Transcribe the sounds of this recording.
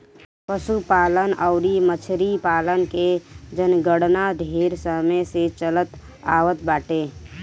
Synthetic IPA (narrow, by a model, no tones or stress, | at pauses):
pəsupaːlənɔʊɾimət͡ʃʰɾipaːlənked͡ʒənɡəɽnad̪ʱeːɾsəməset͡ʃələt̪ | a̰ːʋət̪baːʈeː